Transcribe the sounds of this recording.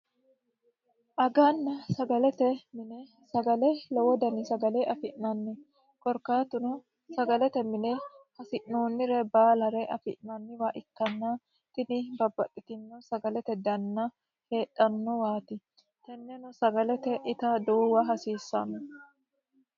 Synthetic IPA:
ʔɐɡanːɐsɐɡɐlɛt̪ɛmɪnɛ | sɐɡɐlɛlɔwɔd̪ɐnɪsɐɡɐlɛʔɐfɪʔnɐnːɛ | kʼɔɾkaːt̪ʊnʊ | sɐɡɐlɛt̪ɛmɪnɛhɐsɪʔnoːnːɪɾɛbaːlɐɾɛʔɐfɪʔnɐnːɪwɐʔɪkːɐnːɐ | t̪ɪnɪbɐbːɐtʼːɪt̪ɪnːɔsɐɡɐlɛt̪ɛd̪ɐnːɐ | he̞ːɗɐnːɔwaːt̪ɪ | t̪ɛnːɛnɔsɐɡɐlɛt̪ɛʔɪt̪ɐd̪oːwɐɦɐsiːsːɐnɔ

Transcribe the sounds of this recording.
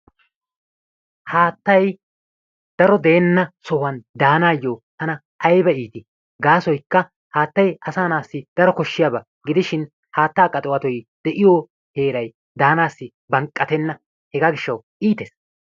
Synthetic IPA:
haːt̪ːɐj | d̪̥ɐɾɔd̪eːnːɐsɔhɐnd̪aːnaːjːoːt̪ɐnɐ | ʔːjbɐiːt̪ɪ | ɡaːsɔjkːɐ | haːt̪ːɐjɐsaːnaːsːɪd̪̥ɐɾɔkɔʃːɪjaːbɐ | ɡɪd̪ɪʃɪn | haːt̪ːaːkʼːɐt̪ʼʊwɐt̪ɔjd̪̥ɛʔɪjoː | he̞ːɾɐj | d̪aːnaːsːɪ | bɐŋkʼːɐt̪ɛnːɐ | hɛɡaːɡɪʃːɐw | ʔiːt̪eːs

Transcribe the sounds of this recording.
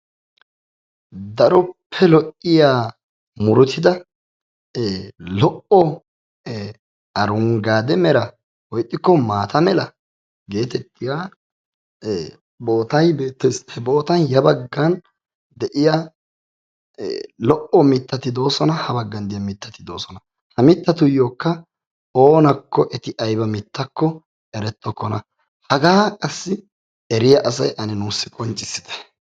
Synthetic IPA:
d̪ɐɾɔpʰːɛlɔʔːɪjaː | mʊɾʊt̪ʰɪd̪ɐ | lɔʔɔ | ɐɾʊŋɡaːd̪ɛmɛɾɐ | wɔjt̪ʼːɪkːɔmaːt̪ɐmɛlɐ | ɡe̞ːt̪ɛt̪ːɪjaː | bo̞ːt̪ɐjbeːt̪ːɛshɛbo̞ːt̪ɐjjɐbɐɡːɐn | d̪ɛʔɪja | lɔʔɔmɪt̪ːɐt̪ɪd̪o̞ːsɔnɐhɐbɐɡːɐnd̪ɪjɐmɪt̪ːɐt̪ɪd̪o̞̰ːsɔnɐ | hɐmɪt̪ːɐt̪ʊjo̞ːkːɐ | oːnɐkːɔʔɛt̪ɪʔɐjbɐmɪt̪ːɐkːɔ | ɛɾɛt̪ːɔkːɔnɐ | hɐɡaːkʼɐsːɪ | ɛɾɪjɐʔɐsɐjʔɐnɪnuːsːɪkʼɔnt͡ʃʼːɪsːɪ̥d̪ɛ̥

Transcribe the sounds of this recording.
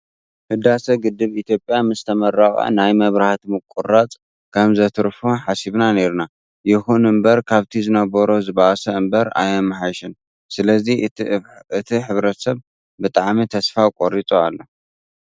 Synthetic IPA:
hɨd̪asɐɡɨd̪ːɨβit̪ʰjo̞pʼjamɨst̪ʰɐmɐɾaχʼa̰najmɐβɾaht̪mɨkʼːurat͡sʼ | kʰɐmzɐt̪ʰɨɾfoħasiβnane̞ɾna | jɪxunɨmbɐɾkʰaβt̪ʰizɨnɐβɐɾozɨβaʔsɐɨmbɐɾa̰jɐmħajʃɪn | sɨlɐzi | ɨt̪ʰiħɨβɾɐt̪sɐβ | bɨt̪ʼaʕmit̪ʰɐsfakʼoɾit͡sʼoalːo

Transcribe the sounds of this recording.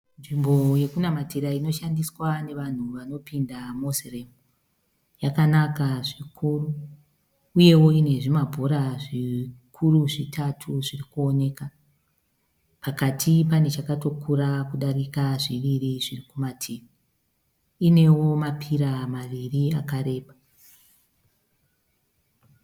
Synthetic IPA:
nʐimboje̞kunamatiɾaino̞ʃandiswane̞ʋan̤uʋano̞pindamozeremu | jakanakaʐikʰuruː | je̞wo̞ine̞ʐimabʱoɾaʐikʰuruʐitʰatʰuʐirikuo̞ne̞ka | pakatʰipane̞t͡ʃakato̞kʰuɾakuɗarikaʐiʋiriʐirikumatʰim | ine̞wo̞mapʰiɾamaʋiriakaɾe̞ːɓa

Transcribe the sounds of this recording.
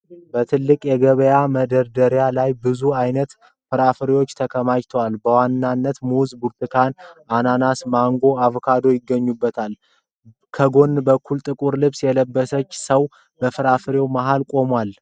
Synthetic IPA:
bət̪ʰɨlːɨkʼjɛɡəβəjaməd̪əɾd̪əɾjalajbɨzuajnət̪ | fɨɾafɨɾiwo̞t͡ʃːt̪ʰəkʰəmajt̪ʰəwalbəwanːanːət̪muzbuɾt̪ʰʼɨkʰanʔananasmaŋɡo̞aβkʰad̪o̞jɪɡːəɲːubːət̪ʰal | kʰəɡo̞nbəkʰːult̪ʼɨkʼuɾlɨβsjɛləbːəsət͡ʃːsəw | bəfɨɾafɨɾewmaɦalkʼo̞mwal

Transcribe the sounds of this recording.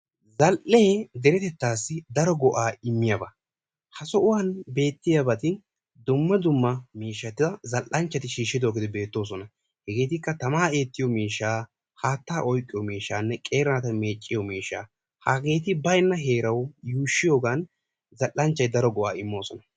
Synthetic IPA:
zɐlʔeːd̪ɛɾɛt̪ɛt̪ːaːsːɪd̪ɐɾɔɡɔʔaːɪmːɪjɐbɐ | hɐsɔʔʊwanbe̞ːt̪ːɪjabɐt̪ɪ | d̪ʊmːɐd̪ʊmːɐmiːʃːɐt̪ɪdɐzɐlʔːɐnt͡ʃːɐt̪ɪʃiːʃːɪd̪o̞ːɡɪd̪ɪbe̞ːt̪ːo̞ːs̬ɔnɐ | hɛɡe̞ːt̪ɪkːɐt̪ɐmaːe̞ːt̪ːɪjɔmiːʃːaː | haːt̪ːaːʔɔjkʼːɪjɔmiːʃːaːnːɛkʼeːɾɐnɐt̪ɐme̞ːt͡ʃʼːɪjɔmiːʃːa̰ː | haːɡe̞ːt̪ɪbɐjnːɐɦe̞ːɾɐwjuːʃːɪjoːɡaːn | zɐlʔːɐnt͡ʃːɐjd̪ɐɾɔɡɔʔaːɪmːo̞ːsɔnɐ

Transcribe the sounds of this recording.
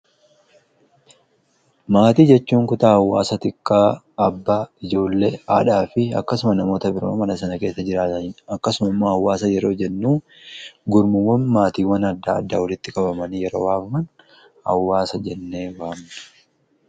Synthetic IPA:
maːt̪iːd͡ʒɛt͡ʃːuːŋkʊt̪aːhɐwːaːsɐt̪ɪkːaː | ɐbːaːɪd͡ʒo̞ːlːeːa̰ːᶑaːfɪɐ̰kːɐsʊmɐnɐmo̞ːt̪ɐbɪɾo̰ːmɐnɐsɐnɐke̞ːsːɐd͡ʒɪɾaːt̪ɐnɐkːɐsʊmɐɪmːoːhɐwːaːsɐjɛɾo̞ːd͡ʒɛnːuː | ɡʊɾmʊwːɐnmaːt̪iːwɐnɐd̪ːaːd̪ːaːwɐlɪt̪ːɪkʼɐbɐmɐnijɛɾo̞̰ːwaːfɐmɐn | hɐ̰wːaːsɐd͡ʒɛnːe̞ːwaːmnɐ̥

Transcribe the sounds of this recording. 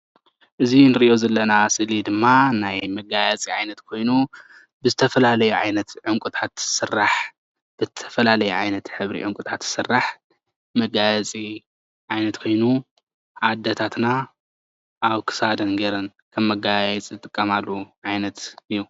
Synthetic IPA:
ʔɨzinɨɾiʔjo̞zɐlːɐnasɨlid̪ɨmːanajmɐɡajat͡sʼiʕajnɐt̪kʰo̞jnu | bɨzɨt̪ʰɐfɐlalɐjuʕa̰jnɐt̪ʕɨŋkʷʼut̪ʼʰat̪sɨrːaħ | b̥ɨt̪ʰɐ̥fɐlalɐjuʕajnɐt̪ħɨβɾḭʕɨŋkʼut̪ʼʰat̪ɨsɨrːaħ | mɐɡajat͡sʼi | ʕajnɐt̪kʰo̞jnu | ʕad̪ːɐt̪ʰat̪na | ʔaβkʰɨ̥sad̪ɐnɡɐɾɐn | kʰɐmːɐɡajajɛt͡sʼzɨt̪ʼɨkʼːɐmalːuʕajnɐt̪ɨjːu

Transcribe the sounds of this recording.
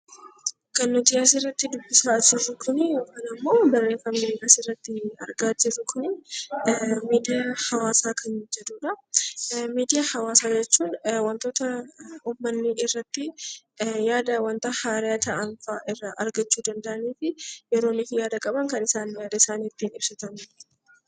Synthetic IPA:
kɐnːɔd̪ɪjaːs̬ɪrːɐt̪ːɪd̪ʊbːɪsaːd͡ʒɪɾːʊkʰʊnɪjo̞ːkaːnɐmːo̞ːdɐrːeːfɐmid̪ɪjaːsɪrːɐt̪ːɪɐ̰ɾɡaːd͡ʒɪɾːʊkʰʊnɪ | miːd̪ɪjahɐwaːsaːkʰɐnd͡ʒɛd̪uːᶑɐ | miːd̪ɪjahɐwaːsaːd͡ʒɛt͡ʃːuːnwɐnt̪o̞ːt̪ɐuːmːɐnːɪʔɪrːɐt̪ːɪ | jaːd̪ɐwɐnt̪ɐhaːɾɪaːt̪ʰɐɐnfaːʔɪrːɐʔɐɾɡɐt͡ʃːuːd̪ɐnd̪ɐʔɐniːfɪjɛɾo̞ːnɪfɪjaːd̪ɐkʼɐbɐŋkɐnɪsaːnjaːd̪ɐɪsaːnɪt̪ːiːnɪbsɐt̪ɐn

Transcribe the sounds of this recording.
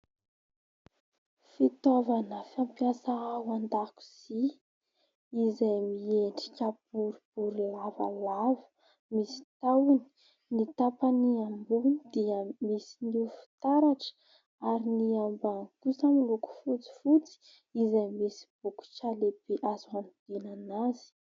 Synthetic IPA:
fit̪ovanəfampjasaaɦwand̪aku̥z̥i | zajmieɳʈ͡ʂi̥kʲabuɾub̥uɾilava̰lavə̥ | misi̥t̪awni̥ | nit̪apaniambunid̪iəmisinifi̥t̪aɾaʈ͡ʂə̥ | aɾiniambaŋkusəmiluku̥fut͡si̥fut͡si̥ | izajmisi̥b̥uku̥ʈ͡ʂalebeʔazuanud̪̥inanaz̥i̥

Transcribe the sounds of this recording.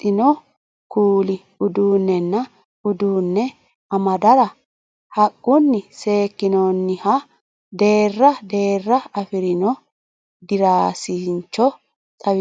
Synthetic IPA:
ɪnɔ | kuːlɪ | ʊd̪uːnːɛnːɐ | ʊd̪uːnːɛ | ɐmɐd̪ɐɾɐ | hɐkʼːʊnːɪse̞ːkːɪnɔnːɪhɐ | d̪e̞ːrːɐd̪e̞ːrːɐɐfɪɾɪnɔ | d̪ɪɾaːsɪnt͡ʃːɔ | t̪ʼɐw

